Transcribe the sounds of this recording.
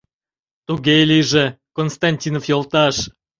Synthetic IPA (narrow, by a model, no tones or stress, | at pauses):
t̪uɡʲelʲiʒĕ | konst̪ɑnʲtʲinofjolˠt̪ɑʃ